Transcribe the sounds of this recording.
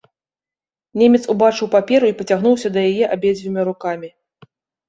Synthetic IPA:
nʲemʲɛt̪subat͡ʂɨwpapʲɛɾuipɐt͡sʲaɣn̪uwsʲɐd̪ɐjajɛʔabʲed͡zʲvʲimʲiɾukamʲi

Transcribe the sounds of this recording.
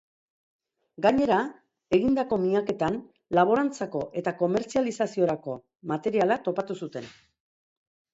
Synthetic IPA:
ɡaɲe̞ɾa | e̞ɣind̪ako̞miake̞t̪an | laβ̞o̞ɾant͡sako̞ʔe̞t̪ako̞me̞ɾt͡sialisasio̞ɾako̞ | mat̪e̞ɾialat̪o̞pat̪usut̪e̞n

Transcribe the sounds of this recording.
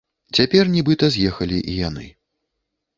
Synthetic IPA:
t͡sʲapʲɛrnʲibɨt̪ɐzʲjɛxɐlʲiʔijanɨ̰

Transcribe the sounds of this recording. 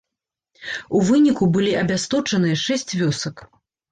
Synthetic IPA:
uvɨnʲikubɨlʲiʔɐbʲast̪ɔt͡ʂɐnɨjɐʂɛsʲt͡sʲvʲɔsɐk

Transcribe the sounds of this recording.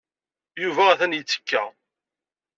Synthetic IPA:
juvææθænjət͡sːə̥kːæ

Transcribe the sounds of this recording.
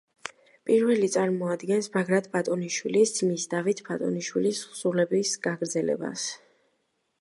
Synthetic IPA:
pʼiɾvɛlit̪sʼaɾmɔad̪ɡɛnsbaɡɾat̪ʰbat̪ʼɔniʃwilisd̪misd̪avit̪ʰbʰat̪ʼɔ̰niʃwilisχsulɛbisɡaɡɾd̪zɛlɛ̰ba̰s

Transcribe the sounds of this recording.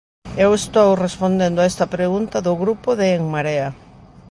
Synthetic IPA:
ewest̪owrespond̪end̪oaest̪ɐpɾeɣunt̪ɐðʊɣɾupoðeːŋmaɾeɐ

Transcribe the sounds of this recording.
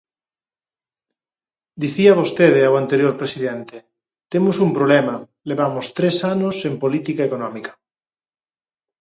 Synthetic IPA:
d̪iθiaβ̞ost̪eð̞eawant̪eɾjoɾpɾesiðent̪e | t̪emosumpɾoβlema | leβ̞amost̪ɾesanosempolit̪ikaekonɔ̃mikḁ

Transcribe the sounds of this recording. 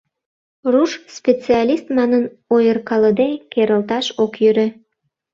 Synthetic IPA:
ruʃspʲet͡seɑlʲist̪mɑnən | ojərkɑləd̪ekeɾəlt̪ɑʃokjyɾĕ

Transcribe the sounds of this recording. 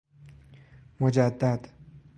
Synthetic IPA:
mod͡ʒæd̪ːæd̪

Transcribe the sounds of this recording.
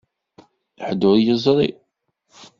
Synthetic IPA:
ħd̪ʊɾjəzˤɾˤḭ

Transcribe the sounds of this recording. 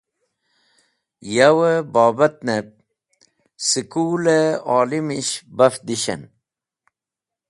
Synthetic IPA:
jawəbaːbɐt̪̚nep̚ | sikuleɑːlimiɕbɐfd̪iɕḛn

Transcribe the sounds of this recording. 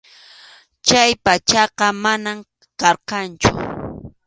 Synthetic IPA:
t͡ʃajpat͡ʃɑqɑmanam | kɑɾqɑnt͡ʃʊ̰

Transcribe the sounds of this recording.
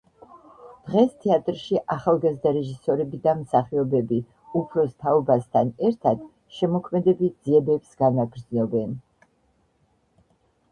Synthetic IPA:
d̪̥ʁɛst̪ʰɛat̪ʼɾʃiʔaχalˠɡazd̪aɾɛʒisɔɾɛbid̪amsaχiɔbɛbi | upʰɾɔst̪ʰaɔbast̪ʰanɛɾt̪ʰad̪̥ | ʃɛmɔkʰmɛd̪ɛbid̪z̥iɛbɛbsɡ̥anaɡɾd̪znɔbɛn

